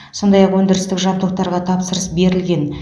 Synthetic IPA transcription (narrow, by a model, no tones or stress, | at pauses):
so̞nd̪ɑjɑqwɵnd̪ɪɾɪst̪ɪkʒɑbt̪oq̚t̪ɑɾʁɑt̪ʰɑpsəɾəsbe̞ɾɪlɡʲe̞n